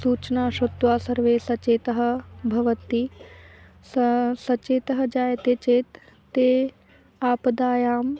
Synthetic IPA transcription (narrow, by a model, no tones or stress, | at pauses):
suːt͡ʃɐnaːʃut̪ːʋaːsɐɾʋeːsɐt͡ʃeːt̪ɐɦɐ̆bʱɐʋɐt̪i | ssɐt͡ʃeːt̪ɐɦɐd͡ʒaːjɐt̪et͡ʃeːt̪ː | eː | aːpɐd̪aːjaːm